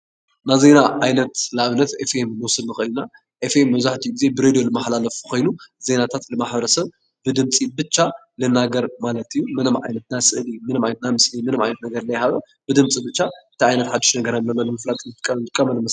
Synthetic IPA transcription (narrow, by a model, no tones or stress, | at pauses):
naze̞naʕajnɐt̪laʔβnɐt̪efemːɨwsɨlnɨxɨʔɨlna | ʔefemːɐβzaħt̪ʰijuɡize̞bɨɾed̪ijo̞lɨmaħlalɐfkʰo̞jnuze̞nat̪ʰat̪lɨmaħbɐɾɐsɐβ | bɨd̪ɨmt͡sʼibɨt͡ʃʼːa | lɨnaɡɐɾmalɐt̪ʰijːumɨnɨmʕa̰jnɐt̪̚najsɨʔlimɨnɨmajnnamɨsɨlimɨnɨmajnɐt̪nɐɡɐɾnajɦaβɐ | bɨd̪ɨmt͡sʼibɨt͡ʃːaɨt̪ʰiʕajnɐt̪ħad̪ːiʃnɐɡɐɾalːɐlːonɨmɐflat̪ʼɨt̪kʼːɐɨkʼːɐmɐnɨmɐ